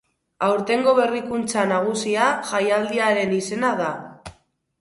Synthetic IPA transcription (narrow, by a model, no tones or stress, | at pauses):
awɾt̪e̞ŋɡo̞βe̞rikunt͡sanaɣ̞usiaʝajald̪iaɾe̞nise̞nað̞a